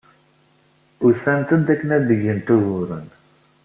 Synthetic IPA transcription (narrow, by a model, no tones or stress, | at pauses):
ʊθænt̪ənt̪ækːənæd̪əʝənt̪uðʊɾə̰n